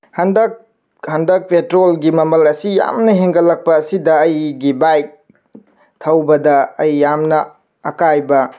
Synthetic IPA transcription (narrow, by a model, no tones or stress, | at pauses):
hɐndɐk̚ | hɐndɐk̚pʰetɾolɡimɐmɐlɐsija̰mnɐɦeŋɡɐlɐk̚pɐːsidɐɐjɡibajk̚ | tʰɐwbɐdɐːjːamnɐ | ɐkajbɐ